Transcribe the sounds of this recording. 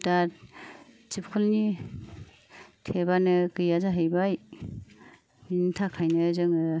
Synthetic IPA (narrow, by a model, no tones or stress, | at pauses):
da | t͡ʃip̚kʰulni | tʰebanɯkɯjazaɦɯjbaj | mintʰakʰajnɯzɯŋɯ